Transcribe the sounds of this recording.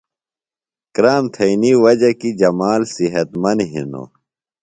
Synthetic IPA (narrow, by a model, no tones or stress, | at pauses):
kɾaːmt̪ʰɐiniwɐd͡ʑɐkid͡ʑɐmaːlsiɦɐt̪mɐnɦḭno̰